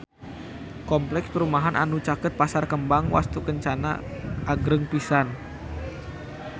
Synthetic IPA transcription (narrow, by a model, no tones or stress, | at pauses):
kɔmplɛkspəɾumaɦanʔa̰nut͡ʃakət̪̚pasarkəmbaŋwa̰st̪ukəɲt͡ʃana̰ʔaɡɾəŋpisan